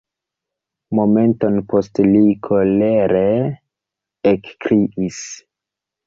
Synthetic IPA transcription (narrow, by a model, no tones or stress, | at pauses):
mo̞me̞nto̞npo̞stlikʰoleɾe | kkɾiʔis